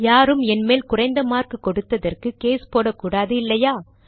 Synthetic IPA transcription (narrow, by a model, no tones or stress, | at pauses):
jaːɾɯmɛnmeːlkʊrɐɪnd̪ɐmaːrkɯkːɔɽɯt̪ːɐðɐrkɯkeːspoːɽɐkːuːɽaːðɯɪlːɐjaː